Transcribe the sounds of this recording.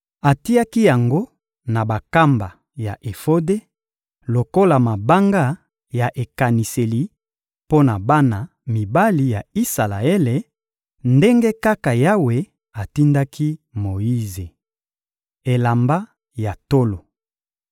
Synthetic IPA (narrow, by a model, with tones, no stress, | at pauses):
a˨ti˦a˦ki˦ja˨ŋɡo˦ | na˨ba˨ka˦mba˨ | ja˨ʔe˨fo˦de˦ | lo˨ko˦la˨ma˨ba˦ŋɡa˦ | ja˨ʔe˨ka˨ni˨se˨li˨ | po˦na˨ba˦na˨ | mi˨ba˦li˨ja˨i˦sa˨la˨e˦le˨ | nde˦ŋɡe˦ka˦ka˨ja˦we˨ | a˨ti˦nda˦kʰi˦mo˨i˦ze˨ | e˨la˨mba˦ | ja˨to˦lo˨